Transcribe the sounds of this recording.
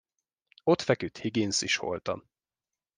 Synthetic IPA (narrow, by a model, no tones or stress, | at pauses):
o̞t̪fɛkyt̪hiɡinsiʃho̰lt̪ɒ̰m